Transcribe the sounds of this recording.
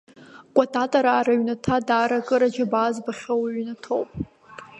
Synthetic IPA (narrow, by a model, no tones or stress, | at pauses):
kʷʼatʰʼatʼaɾaːɾaɥnatʰadaːɾakʼɨɾad͡ʒabaːzbaχʲawɥnatʰowpʼ